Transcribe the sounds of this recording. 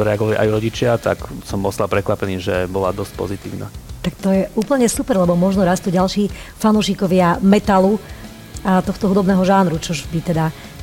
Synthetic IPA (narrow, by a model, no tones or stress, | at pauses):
t̪ɔɾɛaɡɔʋaliʔa̰jɾɔɟit͡ʃɪat̪a̰ksɔmɔst̪lapɾɛkʋapɛniːʒɛbɔlad̪ɔsc̚pɔ̰zit̪iːʊna̰t̪akt̪ɔjɛuːpl̩ɲɛsupɛɾlɛbɔmɔʒnɔɾast̪uɟalʃiː | fanuːʃikɔʋɪamɛt̪alu | at̪ɔxt̪ɔɦud̪ɔbnɛːɦɔʒaːnɾut͡ʃɔʒbit̪ɛd̪a